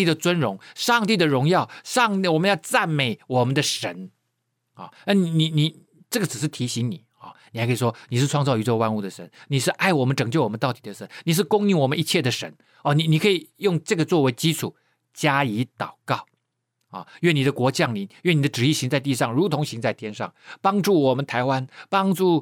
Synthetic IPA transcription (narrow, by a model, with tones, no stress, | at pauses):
i˥˩d̪ə˩t͡swə˥nɻʊ˧˥ŋʂɑ˥˧ŋt̪i˥˩d̪ə˩ɻʊ˧˥ŋjɑ˥˩ʊʂɑ˥˧ŋ˥˩wɔ˨˩mə˦njɑ˥˧ʊt͡sa˥˩nme˨˩˥ɪwɔ˨˩mə˦nd̪ə˧ʂə˧˥n | ɑ̰˥˧˩na˥˩ni˨˩ni˨˩ni˨˩ | ʈ͡ʂɤ˥˩ɡə˩ʈ͡ʂɻ̩˨˩ʂ̬ɻ̩˥˩t̪ʰi˧˥ɕi˧˥ŋni˨˩˦ɑ̰˥˩ni˨˩a˧˥kʰi˨˩ʂwɔ˥ni˨˩ʂɻ̩˥˩˧ʈ͡ʂʰwɑ˥˧ŋt͡sɑ˥˧ʊy˧˥ʈ͡ʂɤ˥˩ɡə˧wa˥nu˧˩d̪ə˩ʂə˧˥˦nni˨˩ʂɻ̩˥˧ʔa˥˩ɪwɔ˨˩mə˦nʈ͡ʂɤ˨˩ŋt͡ɕjo˥˩ʊwɔ˨˩m˦nt̪ɑ˥˩ʊt̪i˨˩d̪ə˦ʂə˧˥nni˨˩ʂ̬ɻ̩˥˩kʊ˥ŋi˧˥˩ŋwɔ˨˩mə˦i˧˥t͡ɕʰjɛ˥˩d̪ə˩ʂə˧˥n | ɔ˥˧˩ni˨˩ni˨˩kʰɤ˧˥i˨˩jʊ˥˧ŋʈ͡ʂɤ˥˩ɡə˩t͡swɔ˥˩we˧˥ɪt͡ɕi˥ʈ͡ʂʰu˨˩˦ | t͡ɕja˥i˧˥t̪ɑ˨˩ʊkɑ˥˩ʊ | ɔ̰˥˩ɥɛ˥˩ni˨˩d̪ə˦kwɔ˧˥t͡ɕjɑ˥˩ŋli˨˥˦nɥɛ˥˩ni˨˩d̪ə˦ʈ͡ʂɻ̩˨˩i˥˩ɕi˧˥ŋt͡sa˥˧ɪi˥˧ʂɑ˥˩ŋɻu˧˥t̪ʰʊ˧˥ŋɕi˧˥ŋt͡sa˥˩ɪt̪ʰjɛ˥nʂɑ̰˥˩ŋpɑ˥ŋʈ͡ʂu˥˩wɔ˨˩mə˦nt̪ʰa˧˥ɪwa˥npɑ˥ŋʈ͡ʂu˥˩